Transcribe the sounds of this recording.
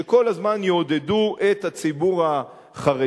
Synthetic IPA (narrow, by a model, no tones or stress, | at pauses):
eko̞lazmanjoːd̪eduʔe̞t̪hat͡sibuʁa | χaʁe